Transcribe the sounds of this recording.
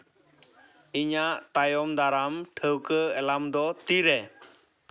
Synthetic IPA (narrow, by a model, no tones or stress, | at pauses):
iɲaʔt̪ajɔmd̪aɾamʈʰəwkəɛlamd̪ɔt̪iɾɛ